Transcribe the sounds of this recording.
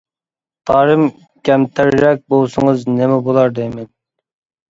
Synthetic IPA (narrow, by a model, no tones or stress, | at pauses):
t̪ʰɑːɾɨm | kʲʰɛmt̪ʰæɾːɛk̚ʲbolˠsʊŋəznemɛbolˠɑɾd̪ɛmɪn